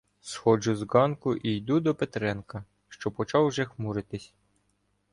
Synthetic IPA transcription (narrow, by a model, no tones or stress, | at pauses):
sxɔd͡ʒʊzɡɑnkʊʔijd̪ud̪ɔpet̪ɾɛnkɐ | ʃt͡ʃɔpɔt͡ʃɑwʒɛxmuɾɪt̪ɪsʲ